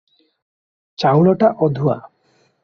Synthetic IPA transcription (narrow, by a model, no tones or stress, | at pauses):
t͡ʃawɭɔʈaʔɔd̪ʱua̰